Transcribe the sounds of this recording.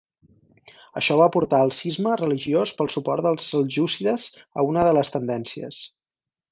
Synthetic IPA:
əʃɔβaəpuɾt̪aəlˠsizmərəliʒiospəlˠsupɔrt̪d̪əlˠzəlˠʒusiðəz | əunəðələst̪ənd̪ɛnsiə̰s

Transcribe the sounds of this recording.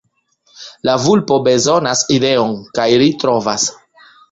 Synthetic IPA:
lavulpo̞be̞zo̞naside̞onkajlitɾo̞vas

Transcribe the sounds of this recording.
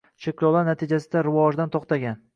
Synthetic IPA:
ʃekʲlˠɒlˠaɾnat̪ʰid͡ʒasɪd̪aɾɪvɒʒd̪ant̪ʰɒqt̪aɡʲan

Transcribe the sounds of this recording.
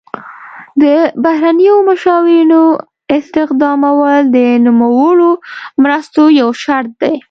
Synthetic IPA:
d̪əbahɾanəjomʊʃɑwɪɾino | ɪst̪ɪxd̪ɑmawəld̪ənumawəlomɾəst̪ojawʃaɾt̪̚d̪aj

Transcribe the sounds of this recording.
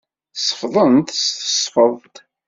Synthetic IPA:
θsˤːə̥fðˤənt̪st̪ə̥sˤfəðˤt̪

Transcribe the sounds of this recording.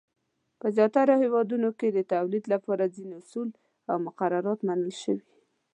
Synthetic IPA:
pəzjɑt̪aɾohewɑd̪unoked̪ət̪awlid̪lapɑɾazineʊsul | awmʊqaɾaɾɑt̪manəlʃəwi

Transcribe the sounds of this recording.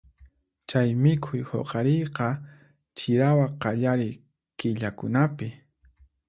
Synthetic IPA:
t͡ʃajmɪkʰʊjho̰qɑɾejqɑ | t͡ʃɪɾawaqɑʎaɾɪj | kɪʎakʊnapɪ

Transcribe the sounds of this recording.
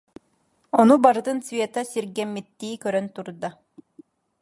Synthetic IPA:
ɔnubaɾɯt̪ɯnsvʲeɛt̪asiɾɡɛmːit̪ːiːkœɾœnt̪uɾd̪a

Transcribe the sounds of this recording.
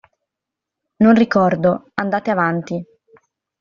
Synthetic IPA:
nonrikɔrd̪oand̪aːt̪eavant̪i

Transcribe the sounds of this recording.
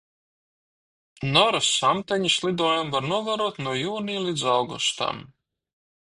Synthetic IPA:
nɔɾasamt̪ɛɲislˠid̪ɔːjumvaɾnuɔvaɾuɔt̪nuɔjuːniːlid̪zawɡṵst̪a̰m

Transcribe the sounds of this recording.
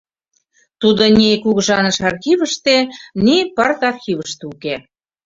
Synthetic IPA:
t̪ud̪onʲekuɣʒɑnəʃɑrxiβəʃt̪enipɑrt̪ɑrxʲiβəʃt̪uke

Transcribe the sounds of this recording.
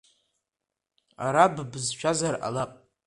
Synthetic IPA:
a̰ɾabbzʃʷᶣazara̰lapʼ

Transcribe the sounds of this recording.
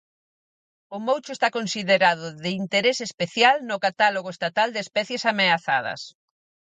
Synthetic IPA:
ʊmowt͡ʃʊest̪akonsiðeɾaðʊðɪint̪eɾesespeθjalnʊkat̪aloɣoest̪at̪ald̪espɛθjesameaθað̞ɐ̰s

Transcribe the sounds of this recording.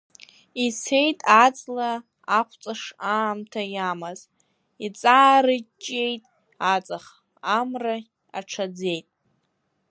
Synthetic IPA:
isʰe̞jtʼat͡sʼla | aχʷʰt͡sʼaʂaːmtʰajamaz | it͡sʼaːɾɨt͡ʃʼe̞jtʼ | at͡sʼaχ | amra | a̰ʈ͡ʂʰad͡ze̞jtʼ

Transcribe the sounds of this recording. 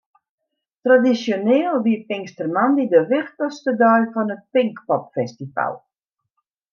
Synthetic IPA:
tradisjonɪːəlˠʋipɪŋstərmandidəʋɪxtɔstədœɥfɔnət̚pɪŋkpɔpfɛstifa̰lˠ

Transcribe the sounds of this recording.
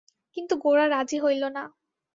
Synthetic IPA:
kint̪uɡoɹaɾad͡ʑiɦojlona

